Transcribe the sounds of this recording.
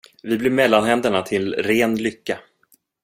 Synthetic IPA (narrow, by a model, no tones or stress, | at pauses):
vɪblɪɾmɛlːanhɛnd̪əɳat̪ʰɪlɾeːnlʏkːa